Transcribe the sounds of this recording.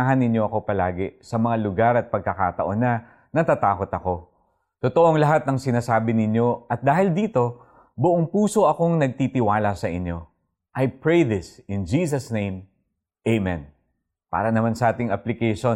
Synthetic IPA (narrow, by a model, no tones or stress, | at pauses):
ɦɐnɪɲjo̞ʔɐko̞pɐlaːɡɪsɐmɐŋalʊɡaɾɐt̪̚pɐɡ̚kɐka̰ːt̪ɐʔonɐ | nɐt̪aːt̪aːko̞t̪ɐko̞ | t̪ot̪oʔoŋlɐɦat̪̚nɐŋsɪnaːsaːbɪnɪɲjo̞ʔɐt̪̚d̪aːhɪld̪iːt̪o̞ | bʊʔoŋpuːso̞ʔɐko̞ŋnɐɡ̚t̪iːt̪ɪwaːlɐsɐʔɪɲo̞ | ʔɐjpɹejðɪsɪnd͡ʒiːs̬ɐsnẽj̃m | ʔejmɛn | pa̰ːɾɐnɐmansɐʔaːt̪ɪŋʔɐplɪkɛjʃo